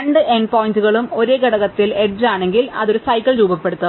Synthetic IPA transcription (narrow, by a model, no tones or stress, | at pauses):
ɐɳɖɨʔenɖpoːjintuɣɐɭumo̞ɾeːɡɐɽɐɣɐt̪ːileɖraːɳe̞ŋɡilɐ̰ðo̞ɾusɐjkːɐɭɾuːbɐpːe̞ɽut̪ːɐ